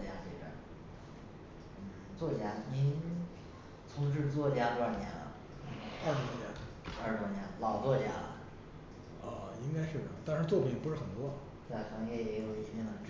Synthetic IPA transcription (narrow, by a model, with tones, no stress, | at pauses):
t͡ɕja˥t͡ɕi˥˧˩ʈ͡ʂə̰˧˩ | n̩˥˩ | t͡swɔ˥˩t͡ɕja˥ni˧˥n | t͡sʰʊ˧˥ŋʂ̬ɻ̩˥˧t͡swɔ˥˩t͡ɕja˥twa˥˩njɛ̰˧˥n | n̩˥˩a˥˧˥wɔ˥˩t͡ɕja˥ | ə˞˧˥˩t͡swa˥˩njɛ˧˥n˧lɑ˨˩ʊt͡swɔ˥˩t͡ɕja̰˥l | ə˧i˥ŋka˥ɪʂɻ̩˥˩˧t̪a˥˧nʂɻ̩˥˧t͡swɔ˥˩pʰi˨˩ŋpu˧˥ʂɻ̩˥˩xə˨˩nt̪wɔ˥ | t̪e˥˩xɑ˧˥ŋjɛ˧˥˩jɛ˧˥jo˨˩ʊi˥˩˧ə˧˩ʈ͡ʂ